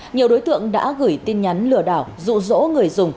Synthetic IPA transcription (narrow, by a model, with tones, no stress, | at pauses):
ɲi˨˩əwɗo˨˦jt̪ɨ̰˧˨əŋɗa̰ː˧˥ɣɨ˧˩jt̪i˧nɲa˨˦nlɨ˧˩əɗaː˧˩wzṵ˧˨zo̰˧˥ŋɨ˨˩əjzʊ˨˩ŋ͡m